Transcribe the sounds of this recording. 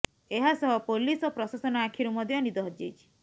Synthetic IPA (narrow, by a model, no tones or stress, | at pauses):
eɦasɔɦɔpolisɔpɾɔsasɔnɔakʰiɾumɔd̪ʱjɔnid̪ɔɦɔd͡ʒejt͡ʃʰi̥